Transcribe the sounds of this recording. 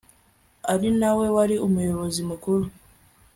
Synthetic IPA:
aɾinawe̞waɾiumujo̞βo̞zimukuɾu

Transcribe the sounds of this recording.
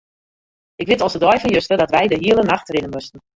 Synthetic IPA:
ʔɪkʋɪtɔlˠsədɔjfɔnjøstədɔtʋɛjdəɦiəlˠənaxtrɪnənmøstən̩

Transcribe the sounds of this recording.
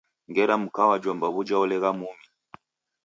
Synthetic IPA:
ŋɡɛɾamukawad͡ʒɔmbaβud͡ʒaɔlɛɣamumi

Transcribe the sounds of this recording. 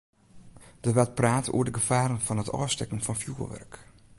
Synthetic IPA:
d̥əʋɛltpraːtṵːədəɡəfaːɾənfɔnɦətɔ̰ːstɛkən̩fɔnfjuːəɹʋɛ̰rk

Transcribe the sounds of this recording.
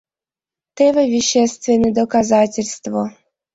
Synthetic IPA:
t̪ɛvəvʲɪɕːɛst̪vʲɪnːəjd̪əkazatʲɪlʲst̪vo

